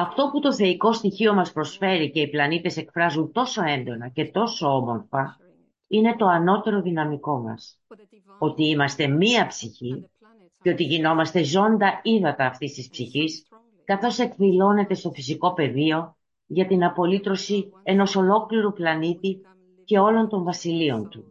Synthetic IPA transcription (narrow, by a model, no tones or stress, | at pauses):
ɐft̪o̞put̪o̞θe̞iko̞st̪içio̞mɐspɾo̞sfe̞ɾice̞iplɐnit̪e̞se̞kfɾɐzunt̪o̞so̞e̞nd̪o̞nɐce̞t̪o̞so̞o̞mo̞ɾfɐ | ine̞t̪o̞ɐno̞t̪e̞ɾo̞ðinɐmiko̞mɐ̰s | o̞t̪iimɐst̪e̞miɐpsiçi | ceo̞t̪iʝino̞mɐst̪e̞zo̞nd̪ɐiðɐt̪ɐːft̪ist̪ispsiçis | kɐθo̞se̞kðilo̞ne̞t̪e̞st̪o̞fis̬iko̞pe̞ðio̞ | ʝɐt̪inɐpo̞lit̪ɾo̞sieno̞so̞lo̞kliɾuplɐnit̪i | ce̞o̞lo̞nt̪o̞ɱvɐsilio̞nt̪u